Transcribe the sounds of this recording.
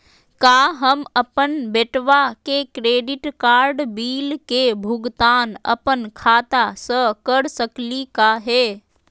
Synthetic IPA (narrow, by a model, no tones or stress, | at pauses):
kaːɦəməpənbeʈʋakekɾeːɖɪʈkaːɾɖbiːlkebʱʊɡt̪aːnɐ̰pənkʰaːt̪asəkəɾsəklikaɦɛː